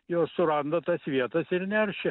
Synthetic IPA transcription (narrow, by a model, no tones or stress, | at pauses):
joːssʊɾɐnd̪ɐt̪ɐsʋʲiɛt̪ɐsɪɾnʲɛrʲʃʲɪ